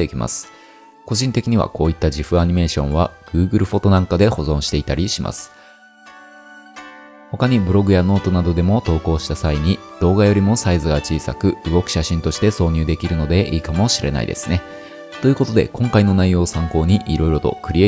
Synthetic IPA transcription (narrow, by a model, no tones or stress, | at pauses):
ekʲimʔa̰sɨ̥ | ko̞ʑĩnt̪e̞kʲiɲ̟iβa̰ko̞ːit̪ːaʑiɸɯ̟aɲ̟ime̞ːɕõ̞̰βaɡ̥ɯ̟ːɡɯ̟ɾɯ̟ɸo̞t̪o̞nãŋkad̪e̞ho̞zõɰ̃ɕi̥t̪e̞it̪aɾʲiɕima̰sɨ̥ | ho̞kaɲ̟ibɯ̟ɾo̞ɡɯ̟jano̞ːt̪o̞nad̪o̞d̪e̞mo̞t̪o̞ːko̞ːɕi̥t̪asaiɲ̟id̪̥o̞ːɡajo̞ɾʲimo̞saizɨɡat͡ɕiːsa̰kɯ̟ɯ̟ɡo̞kɯ̟̥ɕaɕĩnt̪oɕi̥t̪e̞so̞ːɲ̟ɨ̟ːd̪e̞kʲiɾɯ̟no̞d̪e̞ʔiːkamo̞ɕiɾʔe̞̰na̰ḭd̪e̞̰sɨ̥ne̞ | t̪o̞jɯ̟ko̞t̪o̞d̪e̞̰kõ̞ŋkaino̞naijo̞ːsãŋko̞ːɲ̟iʔiɾo̞iɾo̞t̪o̞̰kɯ̟ɾʲie